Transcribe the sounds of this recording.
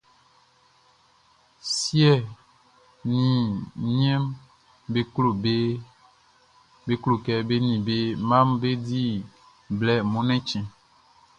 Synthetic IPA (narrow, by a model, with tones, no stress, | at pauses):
sjɛ˦˨ | nĩ˨ɲ˦ɛ̃˦m | be˦klo˨be˦ | be˦klo˨kɛ˨be˦nĩ˨be˦mã˦mbe˦di˦˨ | blɛ˨mɔ̃˨˦nɛ̃˦t͡ʃɛ̃˨